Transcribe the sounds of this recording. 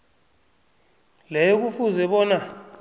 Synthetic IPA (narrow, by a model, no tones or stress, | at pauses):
lɛjɔk̬ufuzɛɓɔːna